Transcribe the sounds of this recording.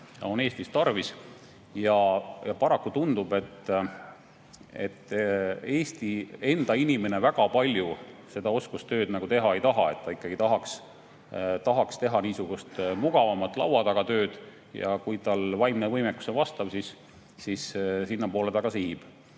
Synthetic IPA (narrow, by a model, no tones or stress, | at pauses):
ɑo̞ne̞ːst̪ist̪ɑrvis | jɑjɑpɑɾɑkːut̪und̪̥ub̥e̞t̪ː | e̞̰t̪ːˑe̞ːst̪ie̞nd̪̥ɑinime̞ne̞væɡ̥ɑpɑlʲjuse̞d̪ɑo̞skust̪ø̞ːd̪̥nɑɡ̥ut̪e̞ɦɑe̞jt̪ɑɦɑ̰e̞t̪ːɑikːˑɑɡ̥it̪ɑɦɑks | t̪ɑɦɑkst̪e̞ɦɑniːsuɡ̥ust̪muɡ̥ɑvɑmɑt̪ːˑlɑ̰wɑd̪ɑɡ̥ɑt̪ø̞ːd̪̥ | jɑ̰kujt̪ɑlvɑjmnevɤjmekːˑu̥sevɑst̪ɑb̥sisː | issinːɑpo̞ːled̪ɑɡ̥ɑsihib̥